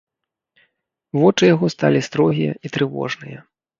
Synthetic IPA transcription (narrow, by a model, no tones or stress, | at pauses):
vɔt͡ʂɨjaɣɔst̪a̰lʲist̪ɾɔɣʲijɐ̰it̪ɾɨvɔ̰ʐnɨjɐ